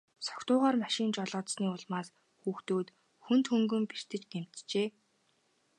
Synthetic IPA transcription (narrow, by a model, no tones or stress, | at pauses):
sɔ̥kt̪ʊːʁaːrmaʃiːnt͡ɕɔɮɔːt̪sniːʊɮmaːs | xuːxt̪uːt̪ | xunt̪xɵŋɡɵ̆mper̥t̪ɘ̆t͡ɕɡem̥t̪t͡ɕeː